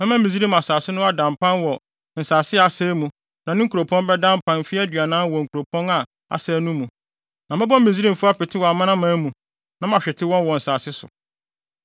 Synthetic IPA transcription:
mɛ̃˦mã˦mĩ˨zi˦ɾi˦m˨a˨saː˨sɪ˦nʊ̃˦a˦dã˨m˨pʰã˦nwɔ˨ | n̩˨saː˨sɪ˦a˨sɛː˦mũ˨ | nã˨nɪ̃˦ŋ̩˦ku˨ɾo˨pʰɔ̃˦mbɛ˦dã˦m˦pʰã˦n˨fi˦æ˦dɥa˨nãː˦n˦wɔ˨ŋ̩˨kʰu˨ɾo˨pʰɔ̃˦na˨ | a̰˨sɛː˦nũ˦mũ˨ | nã˨mɛ̃˦bɔ˦mĩ˨zi˦ɾi˦m̩˨fʊ˦a˦pʰɪ˨tʰɪ˦wɔ˨a˨mã˦nã˦mã˦mũ˨ | nã˨m˦ã˨ɕᶣɛ˨tʰɪ˦wɔ̃˦nwɔ˨n̩˨saː˨sɪ˦sʊ̰˨

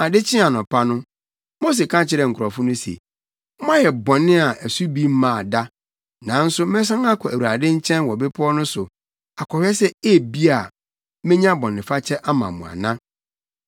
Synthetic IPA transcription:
a˨dɪ˦t͡ɕʰɪ̃˦a˨nɔ̃˨pʰa˦nʊ̃˦ | mo˦s̬e˨kʰã˦t͡ɕʰɪ˦ɾɛ˨ŋ̩˨kʰʊ˨ɾɔ˨fʊ̃˦nʊ̃˦sḛ˨ | m̩˦mã˦jɛ˨bɔ̃˨nːɪ̃˦a˨ʔæ˨su˦bi˦m̩˦mã˨da˦ | nã˨˦n̩˦sʊ˦mɛ̃˦s̬ã˦ŋa˦kʰɔ˨æ˨u˨ɾa˨dɪ̃˦ɲ̩˦t͡ɕʰɛ̃˦nwɔ˨bɪ˦pʰʊ˦ɔ˦nʊ̃˦sʊ˨ | a˨kʰɔ˨ɥɛ˦sɛ˦e˦bi˦a˨ | mẽ˦ɲã˦bɔ̃˨nː˨ɪ̃˨fa˦t͡ɕʰɛ˦ʔa˦mã̰˨mũ˨a̰˨nã˦

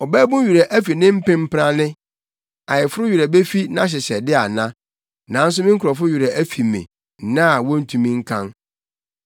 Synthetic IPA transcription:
ɔ˨bɛ˦bʊ̃˦ɥu˨ɾa˨ʔæ˦fi˨nɪ̃˦m̩˦pɪ̃˦m̩˦pɾã˦nɪ̃˦ | a˨jɪ˨fʊ˦ɾʊ˦ɥu˨ɾæ˨be˦fi˦nã˦ɕ̬ɪ˨ɕɛ˨dɪ˦a˨nã˦ | nã˨˦n̩˦s̬ʊ˦mɪ̃˦ŋ˦kʰʊ˨ɾɔ˨fʊ˦ɥu˨ɾa˨ʔæ˦fi˨mḭ̃˨ | nã˦˨wɔ˦n̩˦tʰũ˨mĩ˦ŋ̩˦kʰã˦ŋ

